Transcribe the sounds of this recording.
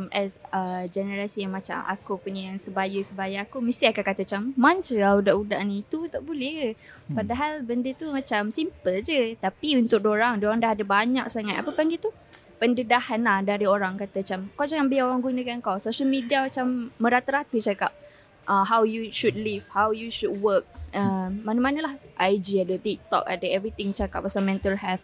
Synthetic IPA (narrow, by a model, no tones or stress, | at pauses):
mɛsəd͡ʒɛnəɾasijaŋmat͡ʃa̰mʔa̰kupuɲaaŋsəbajəsəbajəakuməst̪iakakat̪at͡ʃamːant͡ʃəaudaʔuda̰ʔnit̪ut̪aʔbulɛpadaɦalbəndət̪umãt͡ʃamsimpəld͡ʒət̪apiunt̪ʊk̚doɾaŋdoɾaŋdaɦadabaɲak̚saŋat̪a̰pəpaŋɡit̪u | pəndədahanadaɾioɾaŋkat̪aat͡ʃamkawd͡ʒaŋanbəjaoɾaŋɡunəkankawsoʃəlmidiamat͡ʃamːə̃ɾat̪əɾat̪ət͡ʃakap̚ | ʔəɦawjuʃud̚livhawjuʃud̚wək̚əmmanəmanəlahʔajd͡ʒiadət̪ik̚t̪ɔ̰ka̰dəɛvɾit̪ɪŋt͡ʃaka̰pːasamɛ̃nt̪əlhɛlθ